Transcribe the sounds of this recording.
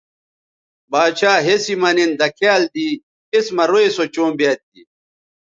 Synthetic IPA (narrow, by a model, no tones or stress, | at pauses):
baːɕaːɦesimɐnind̪ɐkʰaːld̪iː | esmɐɾoesot͡ɕõːmbjaːt̪̚d̪i